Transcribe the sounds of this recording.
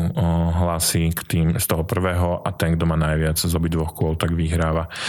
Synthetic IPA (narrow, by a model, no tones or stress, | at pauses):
ɦlasikt̪iːmst̪ɔɦɔpr̩ʋɛːɦɔʔat̪ɛŋɡd̪ɔmaːnajʋɪad͡zzɔbid̪ʋɔxkʊɔlt̪aɡʋiɦɾaːʋa